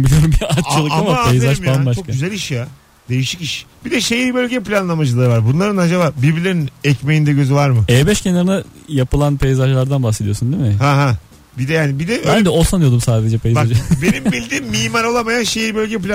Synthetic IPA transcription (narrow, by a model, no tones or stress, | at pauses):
bilʲijo̞ɾumbiat̪t͡ʃʰːalˠɯamapejzaʃanbaʃʰokayzælʲiʃja | d̪e̞jiʃiciʃbid̪ɛʃe̞jibø̞lʲɟɛpilʲanlˠamad͡ʒɯlˠaɾɯvaɾbunlˠaɾɯnad͡ʒabaːbiɾbiɾlʲeɾinɛcmejind̪ɛɟø̞zyvaɾmɯɛːbɛʃcʰenaɾɯnajapɯlˠanpʰe̞jzaʒlˠaɾd̪anbaxse̞d̪ijo̞sund̪imɪhaɦa | bid̪ɛjaːnibid̪ɛbænd̪ɛo̞sanɯjo̞d̪umsaːd̪e̞d͡ʒɛpʰejzaʒabenimbilʲd̪iːmːiːmaɾolˠamajanʃejiːbølʲɟɛplʲa